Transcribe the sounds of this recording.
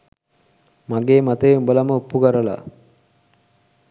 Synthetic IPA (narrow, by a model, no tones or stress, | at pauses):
maɡeːmat̪eeubəlaməupːuɡaɾəla̰ː